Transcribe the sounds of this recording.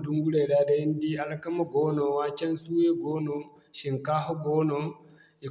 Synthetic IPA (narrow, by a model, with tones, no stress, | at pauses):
du˦ŋɡu˦le˨ɾa˦de˦ndi˦a˨la˦ka˦mo˦ɡo˦no˨a˦t͡ʃa˦n˦su˦je˦ɡo˦no˨ | ʃi˨ŋka˦ɦo˦ɡo˦no˨ | e˨